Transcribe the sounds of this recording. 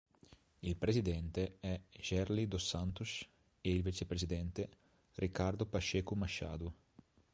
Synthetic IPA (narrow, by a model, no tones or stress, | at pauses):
ilpɾezid̪ɛnt̪eɛʒ̥ɛrlid̪osant̪us | eilvit͡ʃepɾezid̪ɛnt̪e | rikːard̪opaʃeːkumaʃa̰ːd̪u